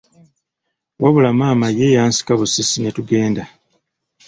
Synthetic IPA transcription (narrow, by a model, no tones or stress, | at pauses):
waβulamaːmajejaːnsi̥kaβusisinetuɡe̞ːnda